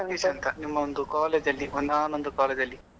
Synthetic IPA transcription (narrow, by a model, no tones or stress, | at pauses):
ɐŋiɕɐnt̪ɐnimːɐond̪ukoːled͡ʑɐlːiʔunːaːnond̪ukoːled͡ʑɐlːi